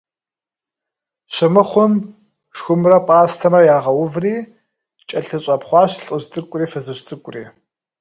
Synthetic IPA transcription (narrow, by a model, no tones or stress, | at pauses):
ɕɪmɨχʷʊm | ʃxʷʊmrɐpʼaːstʰɐmɐjaːʁɐwʊvriː | t͡ʃʼɐɬɨɕʼɐpχʷɑːɕɬʼɨɕt͡sʼɨkʷʼriːfɐzɨɕt͡sʼɨkʷʼʊrḭː